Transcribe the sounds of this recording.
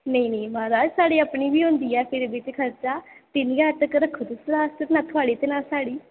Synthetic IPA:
neĩːnẽĩːmãːɾaːd͡ʒsaːɽiːəpɳiːbiːɦʊ̃nd̪iːɛːpʰɪɾʋɪt͡ʃkʰəɾt͡ʃaːt̪ɪniːat̪əkɾəkʰːʊt̪ʊsɾaːst̪enaːt̪ʰʊaːɽiːt̪eːnaːsaːɽiː

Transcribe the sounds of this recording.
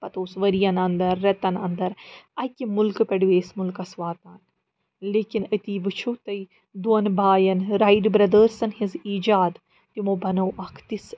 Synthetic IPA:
pɐt̪oːsʋɐɾijɐnɐnd̪ɐɾːɐt̪ɐnɐ̰nd̪ɐɾɐkʲimulkɨpɐɽʋeːsmulkɐsʋaːt̪aːn | leːkinɐt̪iːʋɨt͡ʃʰut̪ɐj | d̪uɐnbaːjɐnɾaiɖbɾɐd̪əːɾsɐnhiziːd͡ʒaːd̪ | t̪imoːbɐnɐwʔɐkʰt̪is

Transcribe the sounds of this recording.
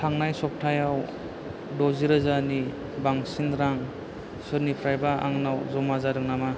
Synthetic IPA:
tʰaŋnajsɔp̚tʰajaw | dɔziɾazani | baŋsinɾaŋ | sɯɾnipʰɾajbaa̰ŋnawzɔmazadɯŋnama

